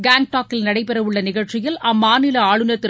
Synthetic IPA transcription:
ɡaːŋ̚ʈaːkːɪlnɐɽɐɪpɛɾɐʋɯɭːɐnɪɣɐɻt͡ʃːɪjɪlɐmːaːnɪlɐaːɭɯnɐt̪ːɪ

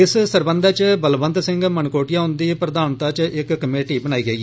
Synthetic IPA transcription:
ɪssəɾbənd̪aːt͡ʃbəlbənd̪sɪŋɡmənkoːʈɪjaːʊnd̪iːpɾəd̪aːnt̪aːt͡ʃɪkːəmeːʈiːbənaːiːɡəiː

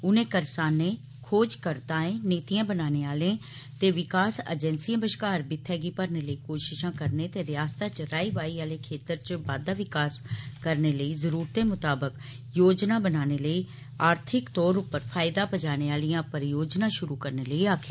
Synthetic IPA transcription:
ʊnẽːkəɾsaːnẽː | kʰoːd͡ʒkəɾt̪ãːẽːneːt̪ijãːbənaːneːaːlẽː | t̪eːʋɪkaːsə̰d͡ʒɛnsiːãːbəʃkaːɾbɪt̪ʰːɛːɡiːpəɾneːləiːkoːʃɪʃãːkəɾneːt̪eːɾɪaːst̪ãːt͡ʃɾaːiːʋaːiːaːleːkʰeːt̪əɾt͡ʃbaːd̪aːʋɪkaːskəɾneːləiːzəɾuːɾt̪eːmʊt̪aːbək | joːd͡ʒnaːbənaːneːləiː | aːɾt̪ʰɪkt̪ɔːɾʊpːəɾpʰaːjɪd̪ãːpəd͡ʒaːneːaːlijãːpəɾjoːd͡ʒnãːʃʊɾuːkəɾneːləiːaːkʰː

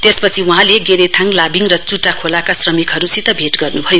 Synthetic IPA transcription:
t̪espʌt͡sʰiuɦãleɡeɾet̪ʰaŋlabiŋrʌt͡suʈakʰolakasrʌmikɦʌɾut͡sʰit̪ʌbʱeʈɡʌrnubʱʌjo

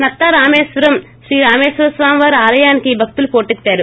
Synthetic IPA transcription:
nɐt̪ːɐɾaːmeːʃʋɐɾɐm | ʃɾiːɾaːmeːʃʋɐɾɐsʋaːmʋaːɾaːlɐjaːnikiiːbʱɐk̚t̪ulupo̞ːʈet̪ːaːɾu

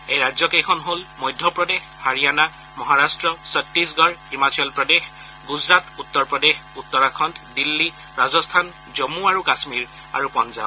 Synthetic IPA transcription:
ejɹazjɔkejkʰɔnɦolmɔjdʱːjɔpɹɔdex | haɹijana | mɔɦaɹastɹɔsɔtɹisɡɔɹhimasɔɔlpɹɔdex | ɡuzɹatutːɔɹpɹɔdexutːɔɹakʰɔntdilːi | ɹazɔstʰan | zomuaɹukasmiɹ | a̰ɹupɔnza̰b

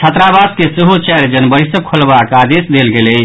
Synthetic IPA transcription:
t͡ʃʰət̪ɾabad̪kesəɦot͡ʃɛɾd͡ʒənbəɾisəkʰolbakad̪esd̪elɡele

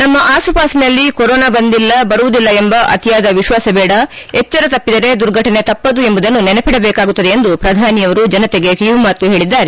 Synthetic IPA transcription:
nɐmːɐʔaːsupaːsinɐlːikɔɾɔːnaːbɐnd̪ilːɐbɐɾuʋud̪ilːɐembɐʔɐ̰t̪ijaːd̪ɐʋiʃʋaːsɐbɛːɽɐ | et͡ʃːɐɾɐt̪ɐpːid̪ɐɾe̞d̪uɾɡʱɐʈɐne̞t̪ɐpːɐd̪ue̞mbud̪ɐnːunenepiɽɐbɛːkaːɡut̪ːɐd̪e̞end̪upɾɐd̪ʱaːnijɐʋɐɾud͡ʒɐnɐt̪eɡe̞kiʋumaːt̪ːuɦe̞ːɭid̪ːaːɾe

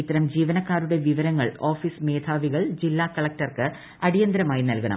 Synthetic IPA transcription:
it̪ːɐɾɐmd͡ʑiːʋɐnɐkːaːɾuɽe̞ʋiʋɐɾɐŋːɐɭo̞ːfisme̞ːd̪ʱʰaːʋiɣɐɭd͡ʑilːaːkɐɭɐk̚ʈɐrkɨ | ɐɽijɐnd̪ɾɐmaːjinɐlkɐɳɐ̰m

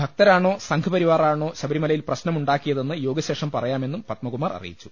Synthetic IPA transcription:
bʱɐk̚t̪ɐɾaːɳo̞ːsɐŋɡʰɐpɐɾiʋaːraːɳo̞ːɕɐbɐɾimɐlɐjilprɐɕnɐmuɳɖaːkːijɐðe̞nːɨjo̞ːɡɐɕe̞ːʂɐmpɐrɐjaːme̞nːumpɐt̪̚mɐkumaːrɐ̰rḭjḭt͡ɕːu̥

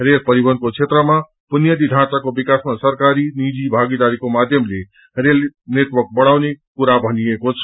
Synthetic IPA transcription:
ɾelpʌɾibʌnd̪kot͡sʰet̪rʌma | punjad̪id̪ʱãt͡sakobikasmasʌrkaɾinid͡zibʱaɡid̪aɾikomad̪ʱjʌmle | relneʈwʌrk̚bʌɽ̃awnekuɾabʱʌniekot͡sʰʌ̥

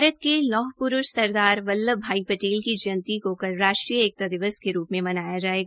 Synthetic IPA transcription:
ɾət̪̚kelɔːɦpʊɾʊʃsɐɾd̪aːɾʋɐlːəbʱaːipɐʈeːlkid͡ʒɐnt̪ikokɐɾːaːʃʈɾijəeːk̚t̪ad̪ɪʋəskeɾuːpmẽmɐnaːjad͡ʒaːeːɡa

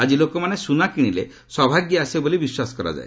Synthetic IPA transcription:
ad͡ʒilokɔmanesunakiɽ̃ile | sɔbʱaɡjɔasebolibiswasɔ̥kɔɾa̰d͡ʒa̰e

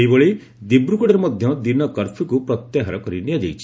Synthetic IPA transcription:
ejbɔɭi | d̪ibɾukɔɽeɾemɔd̪ʱjɔd̪inɔkɔɾpʰikupɾɔt̪jaɦaɾɔkɔɾinijad͡ʒajt͡ʃʰi̥

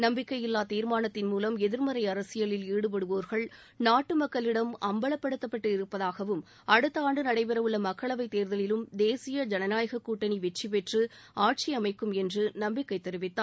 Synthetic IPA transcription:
nɐmbɪkːɐjɪlːaːt̪iːɾmaːnɐt̪ːɪnmuːlɐmɛðɪɾmɐɾɐɪɐɾɐsɪjɐlɪliːɽɯp̬ɐɽɯʋoːɾɣɐɭ | naːʈːɯmɐkːɐɭɪɽɐmɐmbɐɭɐpːɐɽɯt̪ːɐpːɐʈːɯɪɾɯpːɐðaːɣɐʋɯm | ɐɽɯt̪ːɐaːɳɖɯnɐɽɐɪpɛɾɐʋɯɭːɐmɐkːɐɭɐʋɐɪt̪ːeːɾðɐlɪlɯmd̪eːsɪjɐd͡ʒɐnɐnaːjɐɣɐkːuːʈːɐniʋɛʈt͡ʃːipɛʈrɯaːʈ̚t͡ʃiɐmɐɪkːɯmɛndrɯnɐmbɪkːɐɪt̪ːɛɾɯʋɪt̪ːaː

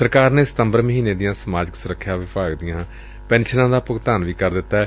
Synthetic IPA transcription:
səɾkaːɾneːsɪ̥t̪əmbəɾməɦiːneːd̪ɪjãːsəmaːd͡ʒəksʊɾəkʰːjãːʋɪpaːɡd̪ɪjãː | pɛ̃ːnʃənãːd̪aːpʊɡt̪aːnʋiːkəɾd̪ɪt̪ːaɛː

